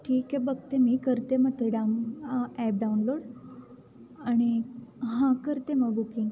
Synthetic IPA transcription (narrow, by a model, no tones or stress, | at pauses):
ʈʰiːkɦɛ̃bəɡt̪emiːkəɾt̪emət̪eɖanɛp̚ɖaunloːɽ | aɽ̃iɦãkəɾt̪eməɡbukĩŋɡ